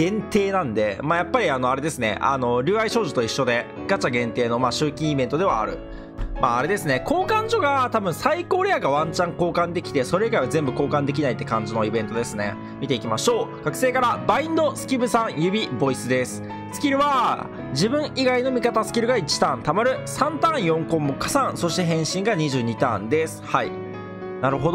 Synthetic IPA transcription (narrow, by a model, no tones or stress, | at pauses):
ɡẽ̞nt̪e̞ːnãnd̪e̞̰maːjapːaɾʲiano̞aɾe̞d̪e̞sɨne̞̰ʔa̰no̞ɾʲɨːaiɕo̞ːʑot̪oiɕːo̞d̪e̞ | ɡ̥at͡ɕaɡẽ̞nt̪e̞ːno̞maːɕɨːkʲĩːibẽ̞nt̪o̞d̪e̞βa̰ːɾɯ̟̰ | maːɾe̞d̪e̞sɨne̞ko̞ːkãɲ̟d͡ʑo̞ɡat̪abɯ̟̃ɰ̃saiko̞ːɾe̞jaɡaβãɲt͡ɕãŋko̞ːkãnd̪e̞kʲi̥t̪e̞so̞ɾeiɡaiβazẽ̞mbɯ̟ko̞ːkãnd̪e̞k̬ʲinait̪ːe̞kãɲ̟d͡ʑino̞ibẽ̞nt̪o̞d̪e̞sɨne̞̰ | mʲit̪e̞ikʲimaɕo̞ːkakɯ̟̥se̞ːkaɾabaĩnd̪o̞sɨ̥kʲibɯ̟sãɰ̃jɯ̟bʲibo̞isɨd̪e̞sɨ̥ | sɨ̥kʲiɾɯ̟βa | d͡ʑibɯ̟̃ɰ̃iɡaino̞mʲikat̪asɨ̥kʲiɾɯ̟ɡait͡ɕi̥t̪ãnt̪amaɾɯ̟sãnt̪ãɰ̃jõ̞ŋkõ̞mbokasãɰ̃so̞ɕi̥t̪e̞ɦẽ̞ɰ̃ɕĩŋɡaɲ̟iʑɨːɲ̟it̪ã̰nd̪e̞sɨ̥hai | naɾɯ̟ɦod̪